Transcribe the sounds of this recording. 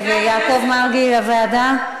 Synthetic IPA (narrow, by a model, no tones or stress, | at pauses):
vejaːkovmaʁɡilavaad̪a